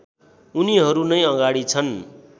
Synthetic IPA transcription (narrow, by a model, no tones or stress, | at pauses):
uniɦʌɾunʌjʌɡaɽit͡sʰʌn